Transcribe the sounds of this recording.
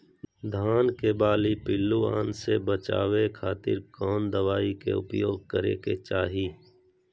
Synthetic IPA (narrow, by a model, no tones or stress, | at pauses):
d̪ʱaːnkebaːlipɪlːua̰ːnsebət͡ʃa̰ːʋekʰaːt̪ɪ̰ɾkɔːnd̪əʋaːikḛʊpjoːɡ̚kəɾḛːket͡ʃaːɦiː